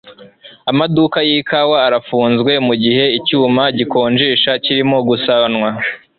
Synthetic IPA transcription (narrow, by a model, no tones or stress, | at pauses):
amadukajiːkawaːɾafuːnzɡwe̞muɟiɦe̞icuːmaɟiko̞ːnd͡ʒiːʃaciɾimo̞ɡusanwa